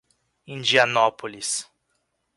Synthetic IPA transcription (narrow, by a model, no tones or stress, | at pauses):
ĩd͡ʒiɐnɔpolis